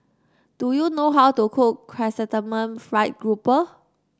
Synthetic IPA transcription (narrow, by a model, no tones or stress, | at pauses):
d̥ujunoɦawtukʰukkʰɹɛsətəmə̃nfɹaɪt̚ɡɹupə